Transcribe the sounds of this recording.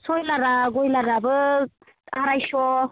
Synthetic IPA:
sɔjlaɾaɡɔjlaɾabɯ | aɾajsɔ

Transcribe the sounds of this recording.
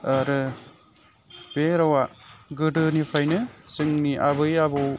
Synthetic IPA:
aɾɯ | b̥eɾawaɡɯdɯnipʰajnɯzɯŋniʔabɯjabɯw

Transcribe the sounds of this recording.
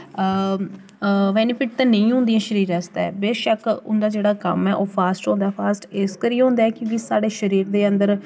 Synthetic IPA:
ʋɛ̃ːniːpʰɪʈt̪ɛ̃ːnəĩːɦõːnd̪ijãːʃəɾiːɾɛːst̪ɛ̰ːbeːʃəkʊ̰nd̪aːd͡ʒeːɽaːkə̰mɛːʔoːpʰaːsʈɦõːnd̪aːɛːpʰaːsʈɪskəɾiːɦõːnd̪aɛːkjõːkisaːɽeːʃəɾiːɾd̪eːənd̪əɾ

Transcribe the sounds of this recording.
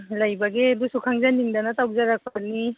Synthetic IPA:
lajbaɡedusukʰaŋzaniŋdanataw̚zaɾak̚pʰaɾni

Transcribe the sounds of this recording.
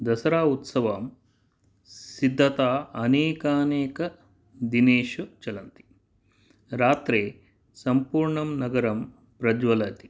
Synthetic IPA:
d̪ɐsɐɾaːut̪sɐʋɐm | sid̪ʱːɐt̪aːɐnɛːkɐnɛːkɐ | d̪ineːʂut͡ʃɐlɐnt̪i̥ | ɾaːt̪ɾeː | sɐmpuːɾɳɐmnɐɡɐɾɐm | pɾɐd͡ʒʋɐlɐt̪i̥

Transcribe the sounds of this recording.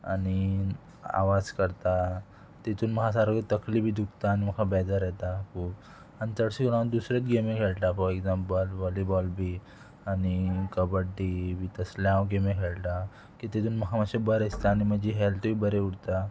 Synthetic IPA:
a̰ñi | a̰ʋad͡zkəɾt̪a | t̪et̪ʰuːnməɦas̬aɾəɡt̪əklibʱiːd̪ʱuk̚t̪aːniməkʰabɛd̪əɾjɛt̪akʰuːp | ənt̪əɽsikuɽãd̪usɾet̪ɡemekʰeɭʈ̪afɔɾeɡzampɔlʋɔlibɔlbʱi | añikəbəɖibʱiːt̪əsljãwɡemekʰeɭʈ̪a | kit̪et̪uːnməkʰaməɕebəɾəst̪aːñiməd͡ʑiɦɛlʈbiːbəɾeuɽt̪a

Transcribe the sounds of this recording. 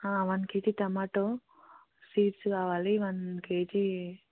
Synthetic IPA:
aːʋɐnkeːt͡ʃit̪ɐmaːʈo | siːʈskaːʋaːliʋɐnkeːt͡ʃi

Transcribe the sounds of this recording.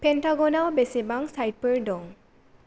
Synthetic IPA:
pʰentaɡɔnawbesibaŋsajt̚pəɹdɔŋ

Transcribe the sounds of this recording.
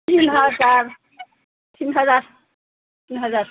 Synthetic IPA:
t̪inɦʌd͡zaɾ | t̪inɦʌd͡zaɾ | t̪inɦʌd͡zaɾ

